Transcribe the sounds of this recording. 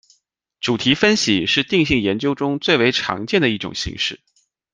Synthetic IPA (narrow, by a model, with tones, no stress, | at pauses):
ʈ͡ʂu˨˩t̪ʰi˧˥fə˥nɕi˨˩ʂɻ̩˥˧t̪i˥˧ŋɕi˥˩ŋjɛ˧˥nt͡ɕjo˥ʊʈ͡ʂʊ˥ŋt͡swe˥˩ɪwe˧˥ɪʈ͡ʂʰɑ̰˧˥ŋt͡ɕjɛ˥˩nd̪ə˩i˥˩ʈ͡ʂʊ̰˨˩ŋɕḭ˧˥ŋʂɻ̩˥˩